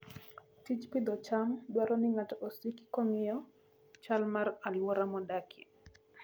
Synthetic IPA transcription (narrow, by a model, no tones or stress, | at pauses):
tid͡ʒpid̪ɔt͡ʃamɗwaɾɔniŋatɔsiki̥kɔŋɪjɔ | t͡ʃalmaɾalwɔɾamɔdakʰi